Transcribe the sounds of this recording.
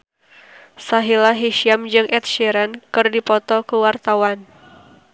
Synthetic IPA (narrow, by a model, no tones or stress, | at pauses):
saɦilaɦiʃiamd͡ʒɨŋʔɛt̪̚ʃɛɾankɨrdipɔt̪ɔkuwart̪awan